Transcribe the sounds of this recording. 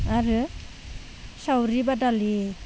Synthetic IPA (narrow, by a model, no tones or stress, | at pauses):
aɾɯ | sawɾibadali